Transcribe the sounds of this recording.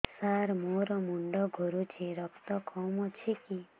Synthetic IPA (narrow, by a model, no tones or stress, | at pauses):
saɾmoɾɔmuɳɖɔɡʱoɾut͡ʃʰiɾɔkt̪ɔkɔmɔt͡ʃʰiki